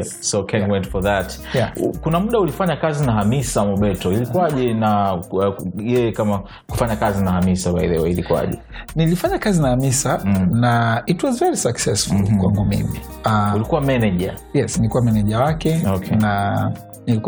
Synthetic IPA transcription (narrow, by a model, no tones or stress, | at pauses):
ɛ | sokʰɛ̃nwɛ̃ntfɔðat | akunamuɗaulifaɲakazinaɦamisamɔɓɛtɔilikuaʄɛna | jɛjɛkama | ku̥faɲakazinahamisabaḭlɛwɛilikua̰ʄɛ̰ | nilifaɲakazinahamisanaitwɔzvɛɾisaksɛsfulkwa̰ŋɡumḭmiaulikuwamɛnɛʄa̰jɛsnilikuwamɛnɛʄawakɛokʰɛna | nilik